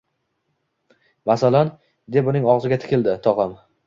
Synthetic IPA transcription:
masalan | d̪e̞pʊnɪŋɒʁzɪɡʲat̪ʰɪ̥kʲɪld̪ɪt̪ʰɒʁɑm

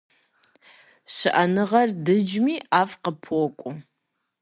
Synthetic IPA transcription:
ɕɨʔɐnɨʁɐrdɨd͡ʒmiːʔaːfqəpʰokʷʼʊ

